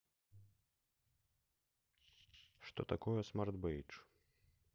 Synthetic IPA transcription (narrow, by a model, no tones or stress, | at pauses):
ʂt̪ɔ̰t̪akɔjɛsmard̪bɛjt͡ʂ